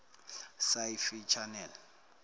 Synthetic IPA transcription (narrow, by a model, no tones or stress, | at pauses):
sajfit͡ʃʰanɛl